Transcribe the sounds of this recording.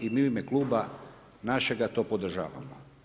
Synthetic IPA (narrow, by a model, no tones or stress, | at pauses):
imiimeklˠuːba | naʃeɡat̪o̞ːpod̪r̩ʒa̰ːʋa̰mo̰